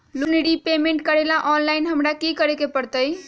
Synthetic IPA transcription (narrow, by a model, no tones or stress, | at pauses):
lunɽipemẽɳʈkəɾelaʔɔnlajnɦəmɾakikəɾekepəɾt̪əj